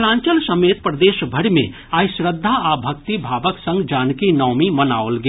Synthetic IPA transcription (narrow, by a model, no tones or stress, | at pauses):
lãːɲt͡ʃəlsɐmeːt̪̚pɾɐd̪eːʃbʱɐɽmḛ̃ | aːjsɾəd̪ʱːaaːbʱɐk̚t̪ibʱaːʋəksɐ̃ŋɡd͡ʒaːnkinɔːmimɐnaːolɡe